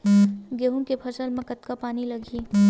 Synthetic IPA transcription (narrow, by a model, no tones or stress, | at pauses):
ɡeɦũkepʰəsəlmẽkət̪kapaːniləɡʱi